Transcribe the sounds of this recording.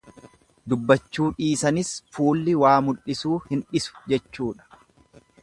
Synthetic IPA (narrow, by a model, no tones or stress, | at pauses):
d̪ʊbːɐt͡ʃːuːᶑiːsɐnɪsfuːlːɪwaːmʊlɪsuːhɪnᶑɪsʊ̥d͡ʒɛt͡ʃːuːᶑɐ̥